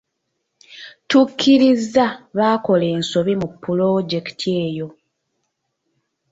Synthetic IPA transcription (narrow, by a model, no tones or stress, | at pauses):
tukʰːiɾizːaβaːko̞le̞ːnso̞βimupːulo̞ɟe̞ktʰie̞ːjo̞